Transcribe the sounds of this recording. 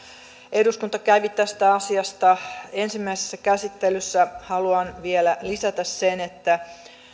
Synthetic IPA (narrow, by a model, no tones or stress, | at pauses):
e̞duskunt̪ɑkæyʋit̪ːæst̪æɑsiɑst̪ɑe̞nsimːæisesːækæsit̪ːelysːæhɑluɑnʋielælisæt̪æssenet̪ːæ